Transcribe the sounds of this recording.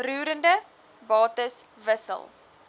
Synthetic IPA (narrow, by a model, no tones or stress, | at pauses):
ruːɾəndə | bɑːtəs | vəsə̰lˠ